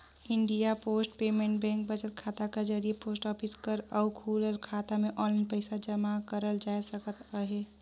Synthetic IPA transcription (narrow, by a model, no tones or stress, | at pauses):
iɳɖijaposʈpemeɳʈ̚bɛ̃ŋk̚bət͡ʃəlkʰat̪aked͡ʒəɾijeposʈɔpʰiskəɾəukʰuləlkʰat̪ameʔɔlinpəɪsad͡ʒəmakəɾəld͡ʒajsəkət̪əɦe